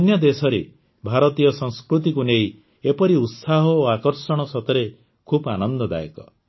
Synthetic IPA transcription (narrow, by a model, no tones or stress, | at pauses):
njɔd̪esɔɾe | bʱaɾɔt̪ijɔsɔŋskɾut̪̬ikunej | epɔɾiut̪saɦɔoakɔɾsɔɽ̃ɔsɔt̪ɔɾe | kʰupanɔnd̪ɔd̪a̰jekɔ